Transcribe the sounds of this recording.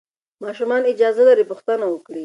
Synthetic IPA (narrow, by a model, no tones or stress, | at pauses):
mɑʃumɑnɪd͡ʒɑzalaɾipʊxt̪anawəkɽi